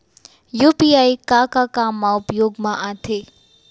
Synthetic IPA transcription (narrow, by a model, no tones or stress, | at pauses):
juːpiaːikakakaːmːãʊpjoːɡmãʔat̪ʰeː